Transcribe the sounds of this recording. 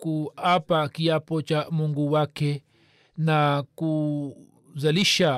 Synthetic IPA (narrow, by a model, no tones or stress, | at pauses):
kuapakiapot͡ʃamuŋɡuwake | naku | zaliʃa